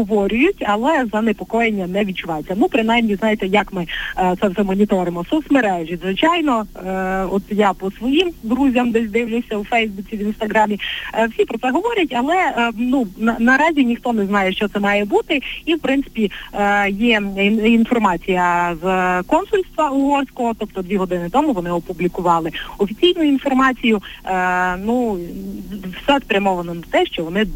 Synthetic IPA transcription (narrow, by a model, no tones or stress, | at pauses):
ɦɔʋɔɾʲʊjʊtʲɐlˠɛzɐnepɔkɔjenʲːɐnɛʋʲid̚t͡ʃʊʋɑjet͡sʲːɐnupɾɪnajmnʲiznɑjet̪ɛjɐkmɪt̪sɛwt̪ɛmɔnʲit̪ɔɾɪmɔsɔsmeɾɛʒizʋɪt͡ʃɑjnɔ | ɔt̪japɔsʋɔjimd̪ɾuzʲɐmd̪ɛsʲd̪ɪwlʲʊsʲɐwfɛjzbut͡sʲiʋʲinst̪ɐɦɾɑmʲiwsʲipɾɔt̪sɛɦɔʋɔɾʲɐtʲɐlˠɛnunɐnɐɾɑzʲinʲixt̪ɔnɛznɑjɛʃt͡ʃɔt̪sɛmɑjɛbut̪ɪiwpɾɪnt̪sɪ̥pʲijɛinfɔrmɑt͡sʲijɐzkɔnsʊlʲst̪ʋɐʊɦɔrsʲkɔɦɔt̪ɔpt̪ɔd̪ʋʲiɦɔd̪ɪnɪt̪ɔmuʋɔnɪɔpublʲikʊʋɑlˠɪɔfʲit͡sʲijnʊinfɔrmɑt͡sʲijʊ | nu | wsɛspɾʲɐmɔʋɐnɔnɐt̪ɛʃt͡ʃɔʋɔnɪ